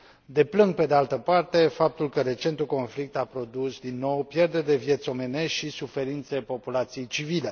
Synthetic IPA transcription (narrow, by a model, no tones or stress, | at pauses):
d̪e̞plɨŋɡ̚pe̞d̪ealt̪əpart̪e̞fap̚t̪ulkəɾe̞t͡ʃe̞nt̪uko̞nflik̚t̪apɾo̞d̪usd̪inːo̞wpje̞rd̪ed̪evje̞t̪so̞me̞ne̞ʃt̪ʃisufe̞ɾint̪sepo̞pulat̪sije̞jt͡ʃivile̞